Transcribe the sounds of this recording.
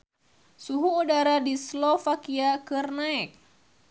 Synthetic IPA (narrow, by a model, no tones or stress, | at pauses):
suɦuɔdaɾadislɔfakiakɨrnaɛk̚